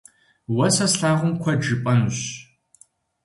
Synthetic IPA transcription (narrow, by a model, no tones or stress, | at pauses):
wɐsɐsɬaːʁʷʊmkʷʰɐd͡ʒɨpʼɐnɕ